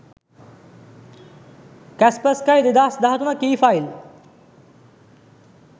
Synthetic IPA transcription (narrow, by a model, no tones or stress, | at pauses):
kæspəskajd̪ed̪aːsd̪aːɦət̪unəkiːfajl